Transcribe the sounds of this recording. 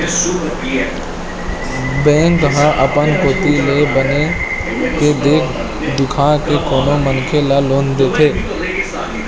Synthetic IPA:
bẽːŋk̚t̪əɦãʔəpənkoːt̪ilebəne | ked̪eːkʰ | d̪ʊkʰãkekoːnomənkʰelaloːnd̪et̪ʰeː

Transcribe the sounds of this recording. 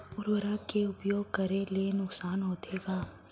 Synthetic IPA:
ʊɾʋəɾakeʊpjoːɡ̚kɐɾelienʊksaːnɦoːt̪ʰeːɡaː

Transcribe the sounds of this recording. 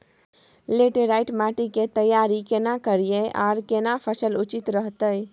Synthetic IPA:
leʈeɾaɪʈmaʈiket̪əjaɾikenakəɾijeʔa̰ɾkenapʰəsəlut͡ʃit̪ɾəɦt̪əj

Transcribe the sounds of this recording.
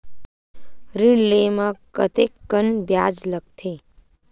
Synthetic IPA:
ɾiɳlemãkə̰t̪ekːənbjaːd͡ʒləɡ̚t̪ʰeː

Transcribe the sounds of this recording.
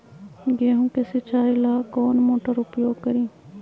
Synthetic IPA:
ɡeːɦũːkesɪt͡ʃʰaːɪlaːkɔːnmoːʈəɾʊpjoːɡ̚kəɾiː

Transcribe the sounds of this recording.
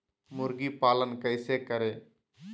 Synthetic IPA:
mʊɾɡiːpaːlənkəɪseːkəɾeː

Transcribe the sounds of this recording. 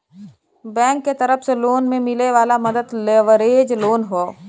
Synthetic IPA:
bɛ̃ːŋkːet̪əɾəfseloːnmẽmɪleʋaːlamɐd̪əd̪leʋəɾeːd͡ʒloːnɦoː

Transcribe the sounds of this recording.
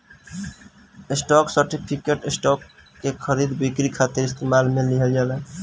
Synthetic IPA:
esʈɔksəɾʈipʰikeʈesʈɔkː | ekʰəɾid̪bikɾikʰat̪iɾist̪emalmeliɦəld͡ʒala

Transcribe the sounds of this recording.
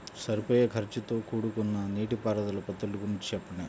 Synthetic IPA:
sɐɾipɐjɐkʰɐɾt͡ʃit̪o̞ːkuːɽukunːɐniːʈipaːɾɐd̪ɐlɐpɐt̪ːɐlːuɡuɾiɲt͡ʃi̥t͡ʃɛpːɐɳːaːu

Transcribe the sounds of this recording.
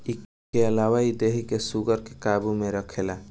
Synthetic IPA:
i | eəlawaid̪eɦikesuɡəɾkekabumeɾəkʰela

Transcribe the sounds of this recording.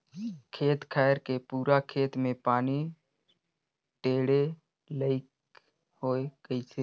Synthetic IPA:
kʰeːt̪kʰaːjəɾkepuːɾakʰeːt̪mẽpaːni | ʈeːɽe | ləɪk | hoːeɡ̥əiseː

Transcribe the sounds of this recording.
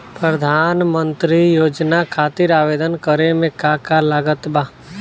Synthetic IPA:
pɾəd̪ʱaːnmə̃nt̪ɾijoːd͡ʒnakʰaːt̪ɪɾaːʋeːd̪ənkəɾemẽkakalaɡət̪baː

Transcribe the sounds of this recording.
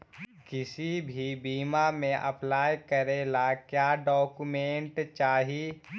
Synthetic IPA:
kɪsibʱibiːmamẽʔə̰plaːjkəɾeːlakjaːɖɔːkumẽːɳʈt͡ʃaːɦiː

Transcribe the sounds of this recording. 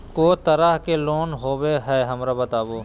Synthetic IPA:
kot̪ɐɾəɦkeloːnɦoːweɦɛːɦɐmɾabɐt̪aːboː

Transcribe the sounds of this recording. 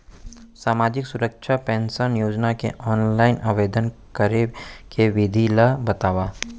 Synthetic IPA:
saːmaːd͡ʒɪksʊɾəkʃʰapɛ̃ːnsənjoːd͡ʒnakḛʔɔːnlaːɪnʔaːʋeːd̪ənkəɾekeʋɪd̪ʱilabɐt̪aːʋaː

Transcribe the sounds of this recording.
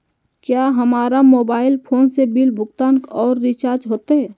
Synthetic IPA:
kjaːɦɐmaːɾamoːbaːɪlpʰoːnsebɪlbʱʊɡt̪ãːnkɔːɾːɪt͡ʃaːɾd͡ʒɦoːt̪eɦɛː

